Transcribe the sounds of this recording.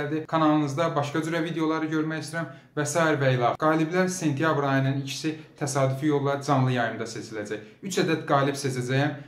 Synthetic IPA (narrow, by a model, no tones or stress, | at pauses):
ld̪ikʰɑnɑlˠɯnɯzd̪ɑbɑʃkɑd͡ʒyɾævid̪eo̞lˠɑɾɯɟø̞ɾmæjist̪iɾæm | væsɑːiɾvæilˠɑɡ̥ɑːliblæɾse̞nt̪ʰijɑbɾɑjɯnɯnicʰi̥sit̪ʰæsɑːd̪yfijo̞lˠːɑd͡ʒɑnlˠɯjɑjɯnd̪ɑse̞t͡ʃʰilæd͡ʒæçyt͡ʃʰæd̪æt̪ɡɑːlibse̞t͡ʃʰæd͡ʒæjæm